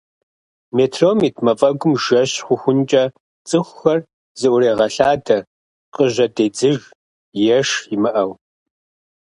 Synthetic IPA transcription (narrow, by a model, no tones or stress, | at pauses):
meːtʰroːmitʰmɐfʼɐɡʷʊmʒɐɕχʷʊxʷʊnt͡ʃʼɐ | t͡sʼɨxʷxɐr | z̥ɨʔʷʊreːʁɐɬaːdɐ | qʼəʑɐdeːd͡zɨʒ | jɛʂɪmɨʔɐw